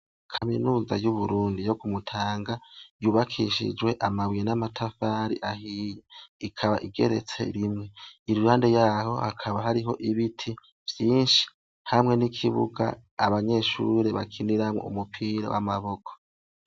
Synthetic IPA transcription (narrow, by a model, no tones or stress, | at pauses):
kʰaminuːza̰juβuɾuːndijo̞ɡumutʰaːŋɡajuːβakʰiʃḭd͡ʒwe̞ʔamawijenamatʰafaːɾiʔahiːjeikʰaβa̰ʔiɡe̞̰ɾe̞̰t͡se̞̰ɾimŋe̞iɾuɾaːnde̞jaːho̞̰hakʰaβaɦaɾiɦo̞ʔiβitʰi | v̥jiːnʃi̥ | hamŋe̞nikʰiβṵɡa̰ːβaɲe̞ʃuɾe̞βakʰiniɾamŋo̰ṵmupʰiɾa̰wa̰maβo̞kʰo̥